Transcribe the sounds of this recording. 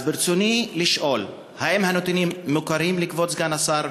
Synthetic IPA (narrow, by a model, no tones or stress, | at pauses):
biɾt͡suniliʃʔo̞l | hahemhanot̪inimːukaɾimlikvot͡sɡanasaɾ